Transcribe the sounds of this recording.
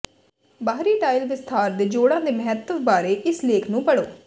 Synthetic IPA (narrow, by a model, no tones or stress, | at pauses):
baːɦɾiːʈaːɪlʋɪst̪ʰaːɾd̪eːd͡ʒoːɽãːd̪eːməɦɛt̪ːəʋbaːɾeːʔɪsleːkʰnũːpəɽoː